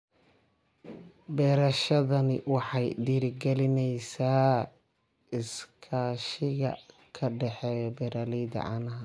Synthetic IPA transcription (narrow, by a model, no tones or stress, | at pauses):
bɛːɾɐʃɐðɐnɪwɑħɑjɖiːɾɡɛlɪnɛjsaː | ɪskʰaːʃɪɣɐ̰ | kʰɐɖɛħɛːjɔbɛɾaːliːd̪ɐ̰ʕɑ̰ːnɐɦɐ